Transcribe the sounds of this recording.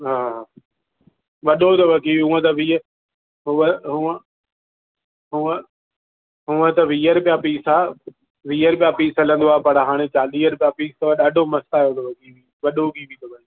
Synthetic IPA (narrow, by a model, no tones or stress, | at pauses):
ɦaː | ʋɐɗot̪ɐʋɐkiːʋɦʊə̃t̪ɐʋiːə | ɦʊəɦʊə̃ | ɦʊə̃ | ɦʊə̃t̪ɐʋiːəɾpijapiːsaː | ʋiːəɾpijapiːsɐlə̃nd̪oaːpɐɽɦaːɽ̃et͡ɕaːliːəɾpijapiːst̪ɐʋɐɗaːɖʱomɐst̪aːjõnd̪oʋɐkiːʋi | ʋɐɗobʱibĩt̪ɐbɐi